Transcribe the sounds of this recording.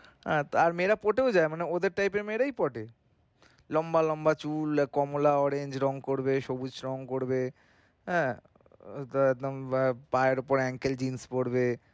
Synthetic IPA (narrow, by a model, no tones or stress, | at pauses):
ɦɛt̪aɾmeɾapoʈeod͡ʑaemaneod̪eɾʈajpeɾmeɾajpɔʈe | lɔmbalɔmbat͡ɕulkɔmolaɔɾeɲd͡ʑɾɔŋkoɾbeʃobud͡ʑɾɔŋkoɾbe | ɦɛ̃ː | d̪mpaeɾopoɾɛŋkeld͡ʑinspoɽbe